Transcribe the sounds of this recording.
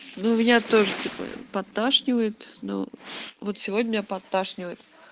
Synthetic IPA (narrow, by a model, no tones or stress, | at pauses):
nomʲɪnʲat̪o̞ʐɨtʲipə̰pɐt̪ːaʂnʲɪvəjɪt̪no̰vot̪sʲɪvodʲnʲəmʲɪnʲapɐt̪ːaʂnʲɪvəjɪt̪